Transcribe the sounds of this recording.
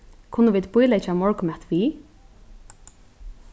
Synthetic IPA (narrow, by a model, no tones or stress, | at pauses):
kʰʊnːəʋiːd̪bʊjlat͡ʃamɔɹkʊmɛt̪ʋiː